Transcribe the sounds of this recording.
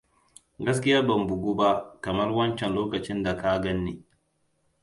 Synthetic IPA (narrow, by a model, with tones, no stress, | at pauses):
ɡɐ˦s̬kʲɪ˦jaː˦bɐ˨mbʊ˨ɡuː˦ba˦ʔkɐ˨mɐ˦rwɐ˦nt͡ʃɛ˨nloː˦kɐ˨t͡ʃɪ˦nda˨ka˦ɡɐ˦nːeː˨